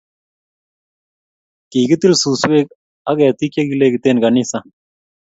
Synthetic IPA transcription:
kiːɡit̪ilsuːsweːk̚ | ɐɡɐt̪ikjɐɡileːɡt̪eːnɡɐnisa

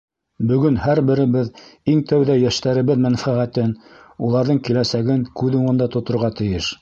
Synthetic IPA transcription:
bɵ̆ɡɵnhæɾbɘ̆ɾɘ̆βɘðiŋt̪æwðæjæʃt̪æɾɘ̆βɘðmænfæʁæt̪ɘn | ulˠɑɾðɤɴkilæsæɡɘŋkʉðuɴɤ̆nd̪ɑt̪ŏt̪ŏɾʁɑt̪ɘ̆jɘʃ

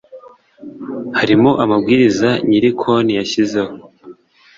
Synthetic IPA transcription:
haɾimoʔamabɡiːɾizaɲiɾikʰo̞nijaçizeho

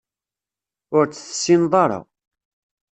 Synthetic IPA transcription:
ʊɾt͡sːθə̥sːinðˤɑɾˤɑ̰

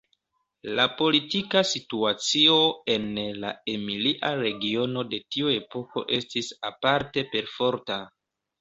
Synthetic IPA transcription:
lapo̞litikasituat͡sio̞e̞nla̰emiliʔaɾe̞ɡio̞no̞de̞tiue̞po̞ko̞̰ʔe̞stisapaɾte̞pe̞ɾfo̞ɾta

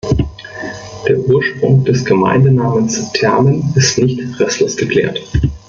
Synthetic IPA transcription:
d̥eːɐʔuːɐʃpʁ̥ʊ̰ŋd̥ɛsɡ̥əma̰ɪndənaːmənstʰɛɐmənɪstnɪçtʁ̥ɛslosɡ̥əkʰl̥ḛːɐt

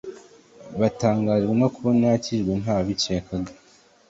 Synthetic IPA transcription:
βataːŋɡaːʒɡwemakuβonaciʒɡwenɦaːβit͡ʃeːkaɡḁ

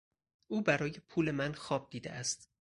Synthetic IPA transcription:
ʔuːbæɾɒːje̞pʰuːle̞mænxɒːb̚d̪iːd̪eʔæst̪

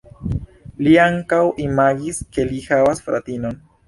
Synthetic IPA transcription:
liaŋkawʔimaɡiske̞lihavasfɾʔa̰tino̞n

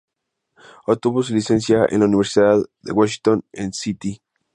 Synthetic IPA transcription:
ot̪uβos̬ulise̞ns̬jaḛnlauniβe̞ɾsiðaððḛɣwaʃ̬int̪onensit̪i

